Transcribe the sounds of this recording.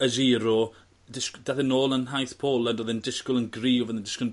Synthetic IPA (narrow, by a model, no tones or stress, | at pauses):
əziːɾɔ | dɪskd̥aðɪnoːlˠənɦajθpʰoːlˠəndoːðɪndɪskʊlˠənɡriːvəðɪndɪskʊn